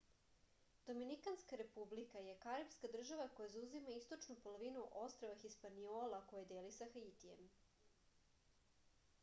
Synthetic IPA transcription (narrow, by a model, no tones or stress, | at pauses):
d̪̥o̞minikanskaɾe̞publikaje̞kaɾapskad̪r̩ʒaʋako̞jazauzimaist̪o̞t͡ʃnupolˠoʋinuʔo̞st̪ɾoʋaxispanioːlˠako̞jed̪eːlisaxait̪ijḛm